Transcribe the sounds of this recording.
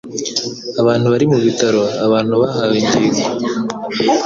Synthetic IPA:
aβaːnhuβaɾimuβitaɾo̞aβaːnhuβaɦaβiɲdiːɡi

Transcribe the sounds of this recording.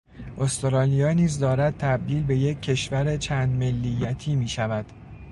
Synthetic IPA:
ʔost̪oɾɒːlijɒːniːzd̪ɒːɾæd̪̚t̪ʰæb̚d̪iːlbe̞je̞cʰːe̞ʃvæɾet͡ʃʰæːnd̪me̞lːijːæt̪ʰiːmiːʃævæd̪̥

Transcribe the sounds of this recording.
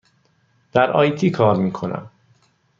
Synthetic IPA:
d̪̥æɾʔɒ̰ːjt̪ʰiːkʰɒːɾmiːkʰo̞næ̰m

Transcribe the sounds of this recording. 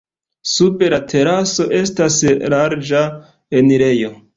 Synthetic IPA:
sube̞latʰe̞ɾaso̞ʔe̞staslaɾd͡ʒa | eniɾe̞jo̞

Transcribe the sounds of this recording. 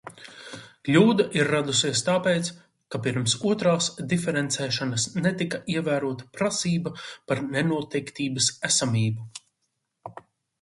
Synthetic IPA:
klʲuːd̪aʔiɾːad̪usiɛst̪aːpɛːt̪s | kapiɾmsuɔt̪ɾaːsd̪ifɛɾɛnt̪sɛːʃanɐsnɛt̪ikɐʔiɛvæːɾuɔt̪ɐ̥pɾasiːbɐpaɾnɛnuɔt̪ɛjkt̪iːbɐsæsamʲiːbu

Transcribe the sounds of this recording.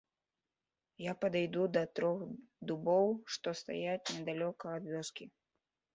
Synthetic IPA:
japɐd̪ajd̪ud̪ɐt̪ɾɔxd̪ubɔwʂt̪ɔst̪a̰jat͡sʲnʲɛd̪alʲɔkɐːd̪vʲɔskʲi

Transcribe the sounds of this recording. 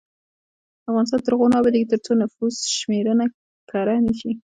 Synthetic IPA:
afɣɑnɪs̬t̪ɑnt̪əɾɣonɑbad̪eɡkit̪əɾt͡sonafuzʃmeɾəna | kʰɑɾanəʃi

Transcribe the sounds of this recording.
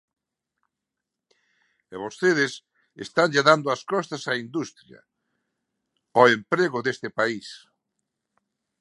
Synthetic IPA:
eβost̪eðɪs | ḛst̪anʲd͡ʒeðand̪ʊaskɔst̪asaind̪ust̪ɾjɐ̰ | ɔempɾeɣʊðest̪ɪpais

